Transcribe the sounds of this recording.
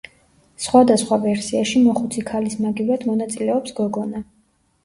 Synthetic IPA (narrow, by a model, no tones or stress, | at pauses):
sχwad̪asχwavɛɾsiaʃimɔχut̪sʰikʰalismaɡivɾad̪mɔnat̪sʼilɛɔpsɡɔɡɔna